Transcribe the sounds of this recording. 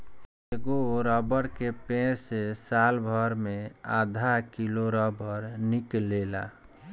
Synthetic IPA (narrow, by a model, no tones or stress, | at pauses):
eɡoɾɔbəɾkepẽɾsesalbʱəɾmead̪ʱakiloɾɔbəɾniklela̰